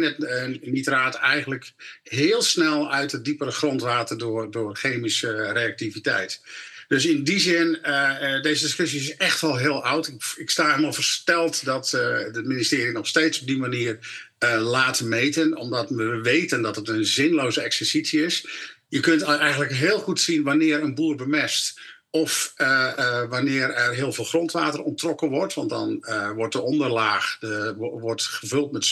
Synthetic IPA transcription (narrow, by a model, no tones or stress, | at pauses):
nɛtnitraːtɛjɣən̩ləkɦɪːlˠsnɛlˠœɥtədipəɾəχrɔntʋaːtərdʊːrdʊːrχejmisəreak̚tivitɛ̰jtd̥øsɪndizɪn | dejzədɪskøsiɪsɛxtʋɔlˠɦɪːlˠawtɪɪkstaːɛmalˠvərstɛlˠtdɔtəministɪːɾiənɔxstejtsɔb̚dimaniːər | laːtəmejtənɔ̰mdɔtʋəʋejtəndɔtətənzɪnlowzəɛksərsisiɪsjəkøntɛjɣənləkɦɪːlˠχutsinʋanɪːəɾənbuːrbəmɪst | ɔf | ʋanɪərɛrɦɪːlˠveːlˠχrɔntʋaːtərɔntrɔkənʋɔrtʋɑntdɔ̰nʋɔrt̚dəɔndərlaːxdəʋɔrtχəvølˠtmɛt